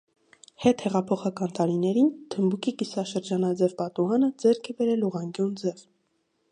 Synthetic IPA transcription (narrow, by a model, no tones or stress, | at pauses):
hɛt̪hɛʁɑpʰɔχɑkɑnt̪ɑɾinɛɾint̪ʰəmbukikisɑʃəɾd͡ʒɑnɑd͡zɛvpɑt̪uɑnəd͡zɛɾkʰɛbɛɾɛluʁɑŋɡjund͡zɛv